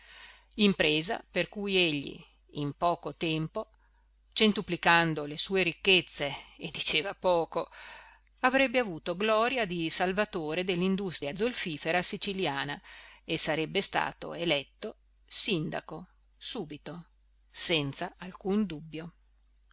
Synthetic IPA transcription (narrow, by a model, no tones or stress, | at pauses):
impɾeːza̰perkujeʎːḭː | mpɔːkot̪ɛmpo | t͡ʃent̪uplikand̪olesuːeɾikːet̪sːeːd̪ːit͡ʃeːvapɔːko | avɾɛbːeavuːt̪oɡlɔːɾjad̪isalvat̪oːɾed̪elːind̪ust̪ɾjad̪zolfiːfeɾasit͡ʃiljaːnaesaɾɛbːest̪a̰ːt̪o̰elɛt̪ːo | sind̪a̰ko | suːbit̪o | sɛnt̪saalkund̪ubːjo